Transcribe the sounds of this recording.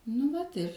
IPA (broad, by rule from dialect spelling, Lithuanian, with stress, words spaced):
nʊ ˈʋɐt ɪr